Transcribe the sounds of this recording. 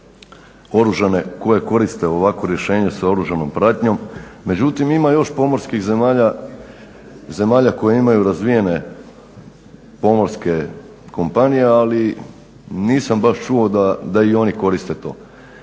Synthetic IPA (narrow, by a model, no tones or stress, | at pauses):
o̞ɾuʒane̞ko̞je̞ko̞ɾist̪e̞o̞ʋakʋo̞ɾje̞ʃe̞ːɲesao̞ɾuʒano̞mpɾat̪ɲo̞mːe̞d͡ʑut̪imimajo̞ʃpo̞mo̞ɾskixzemaːʎa | ze̞maːʎako̞jeimajuɾazʋije̞ne̞ | po̞mo̞ɾske̞ | ko̞mpanije̞ali | niːsambaʃt͡ʃuod̪ad̪aio̞niko̞ɾist̪e̞t̪o̞̰ː